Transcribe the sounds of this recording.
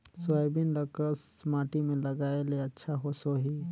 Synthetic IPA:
swaebinləkəs | maːʈimẽlɐɡaːeleɐtːʃʰaɦosoɦiː

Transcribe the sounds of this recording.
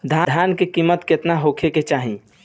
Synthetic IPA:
d̪ʱjad̪ʱjankekimːət̪ket̪naɦokʰeket͡ʃaɦĩ

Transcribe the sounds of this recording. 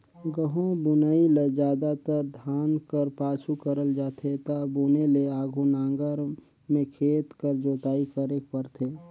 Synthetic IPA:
ɡəɦõbʊnailed͡ʒaːd̪at̪əɾd̪ʱaːnkəɾpaːsukəɾəld͡ʒaːt̪ʰet̪abuneleaːɡʱunãːŋɡəɾ | mẽkʰeːt̪kəɾd͡ʒoːt̪aːikəɾekpəɾt̪ʰeː

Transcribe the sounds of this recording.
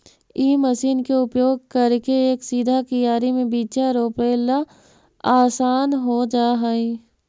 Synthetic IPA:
iːməsiːnkeʊpjoːɡ̚kɐɾkeːksiːd̪ʱakijaːɾimẽbiːt͡ʃaɾoːpeːla | aːsaːnɦod͡ʒaːɦaĩ

